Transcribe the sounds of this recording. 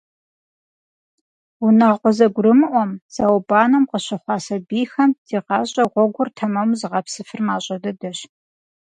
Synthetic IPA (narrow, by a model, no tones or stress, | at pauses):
wunɐʁqʷɔzɐɡʷʊɾɨmɨʔʷɔmz̥awbaːnɐmqəɕɪχʷɑːsɐbiːxɐmdiːqɑːɕʼɐʁʷɔɡʷʊrtʰɐmɐwzɨʁɐpsɨfɨrmaːɕʼɐdɐdɐɕ